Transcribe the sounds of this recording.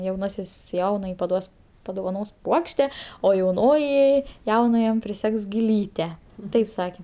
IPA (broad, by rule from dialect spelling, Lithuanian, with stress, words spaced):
jɛʊˈnɑːsʲɪs ˈjɛʊnɐjɛɪ pɐˈduɔs pɐdoːʋɐˈnoːs ˈpuɔkʃʲtʲɛ oː jɛʊˈnoːjɪ ˈjɛʊnɐjɛm pʲrʲɪˈsʲɛks ɡʲɪˈlʲiːtʲɛ ˈtɐɪp ˈsɑːkʲɛ